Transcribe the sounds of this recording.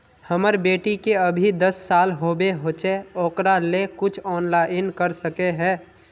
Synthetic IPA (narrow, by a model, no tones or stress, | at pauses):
həməɾbeːʈikeəbʱid̪əsːaːlɦoːbeɦoːt͡ʃeoːkɾalekʊt͡ʃʰɔːnlaːɪnkəɾsəkeɦɛ̃ː